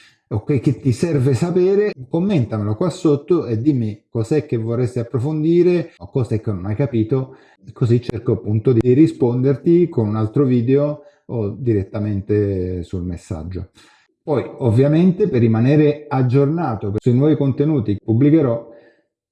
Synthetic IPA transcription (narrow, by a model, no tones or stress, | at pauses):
okːek̟ːet̪ːisɛrvesapeːɾekomːent̪amelokwasːot̪ːoed̪ːimːikɔzɛk̟ːevːorest̪iapːɾofond̪iːɾeokːɔsɛk̟ːenːonajkapiːt̪o | kozit͡ʃːerkoapːunt̪od̪iirispond̪ert̪ikonunalt̪ɾoviːd̪eo | od̪iɾet̪ːament̪esulmesːa̰d͡ʒːo | pɔjovːjament̪eperːimaneːɾead͡ʒːornaːt̪opsuinwɔːvikont̪enuːt̪ipubːlikeɾɔ